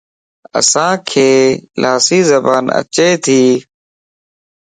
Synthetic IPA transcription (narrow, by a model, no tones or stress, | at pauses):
ə̰sãːkʰeːlʔaːsiːzəbaːnə̰t͡ʃeːt̪ʰiː